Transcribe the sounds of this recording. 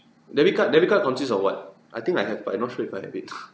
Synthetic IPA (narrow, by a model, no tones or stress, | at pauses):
dɛfikət̚dɛfikət̚kãw̃nsis̬ɔfwɔ̰t̚ | ʔajt̪ĩŋkajɦɛva̰jmnɔt̚ʃoifajhɛ̰vit̚